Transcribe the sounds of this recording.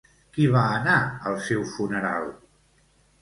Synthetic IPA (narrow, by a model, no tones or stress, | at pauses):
kiβaənaəlˠsewfunəɾa̰lˠ